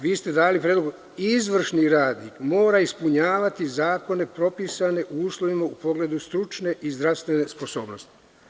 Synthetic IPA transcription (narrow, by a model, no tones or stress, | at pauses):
ʋiːst̪e̞d̪aːlipɾed̪loɡo | izʋr̩ʃniɾaːd̪nikmo̞ːɾaispuɲaːʋat̪izaːko̞ne̞pɾo̞pisane̞ʔuuːslˠoʋimaupo̞ɡle̞d̪ust̪ɾut͡ʃne̞ʔizd̪ɾaʋst̪ʋene̞spo̞so̞ːbno̞st̪i̥